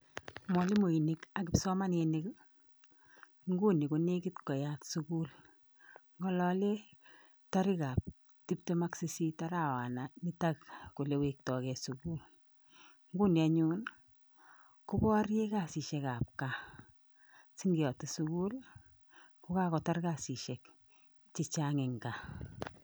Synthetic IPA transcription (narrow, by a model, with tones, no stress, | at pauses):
mɔ˨li˦mo˨i˨ni˨ka˨kɪ˨psɔ˦ma˦nene˦k | ŋɡu˦ni˨ko˨ne˦ki˦tkɔ˨jatsu˦ku˦l | ŋɡɔ˦lɔ˦lɛ˦ | ta˦ɾi˦ka˨p̚ | ti˦p̚te˦ma˦ksi˦si˦ta˦ɾa˨wa˨na˨ni˦ta˦kku˨le˦wi˨k̚tɔ˨kɛ˨suku˦l | ŋ˦ɡu˦ni˨a˨ɲun | ku˦bɔ˦rje˦ka˨si˨ʃɛ˧ka˨p̚ka˨ | si˦ŋɡi˨jɔ˨ti˨suku˦l | ku˦ka˦kɔ˨tɔ˦rka˦˨si˨ʃɛ˨k | t͡ʃi˨t͡ʃaŋɛ˨ŋɡa˨